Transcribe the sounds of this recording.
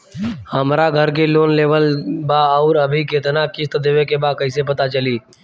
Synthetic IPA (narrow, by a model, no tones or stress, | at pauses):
həmɾaɡʱəɾkeloːnleːʋəlbaɔːɾəbʱikeːt̪nakɪst̪d̪eʋekebaːkəɪsepət̪at͡ʃəliː